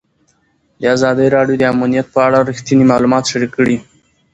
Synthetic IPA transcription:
d̪əazɑd̪əɾɑɖjod̪əamunijat̪̚pəaɽaɾixt̪inimɑlumɑt̪ʃaɾikːəɽi

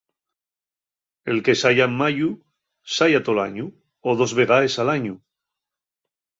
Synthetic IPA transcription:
e̞lke̞saʎamaʎu | saʎat̪ola̰ɲu | oðo̞zβe̞ɣ̞aesalaɲu

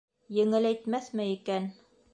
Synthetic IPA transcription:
jɘ̆ŋɘlæjt̪mæθmɘikæn

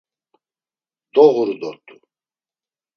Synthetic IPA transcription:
d̪ɔʁuɾd̪ɔt̪ʼu

